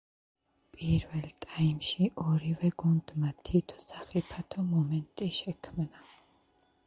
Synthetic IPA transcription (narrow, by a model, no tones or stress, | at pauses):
pʼiɾvɛlt̪ʼajmʃiʔɔɾivɛɡund̪mat̪ʰit̪ʰɔ̥saχipʰat̪ʰɔmɔmɛnt̪ʼiʃɛkʰmna